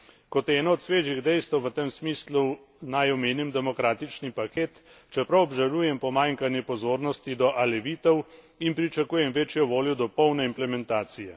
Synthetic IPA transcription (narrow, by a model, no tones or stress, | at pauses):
kɔt̪ɛːnɔɔt̪sʋeːʒiɣd̪ɛjst̪əwʋət̪emsmiːslu | najɔmeːnimd̪ɛmɔkɾaːt̪it͡ʃnipakeːt̪ | t͡ʃɛpɾɐwɔbʒaluːjɛmpɔmaːŋkanjɛpɔzoːɾnɔst̪id̪ɔʔalɛʋiːt̪ɛw | inpɾit͡ʃɐkuːjɛmʋeːt͡ʃjɔʋoːljɔd̪ɔpɔwnɛimplɛmɛnt̪aːt̪sijɛ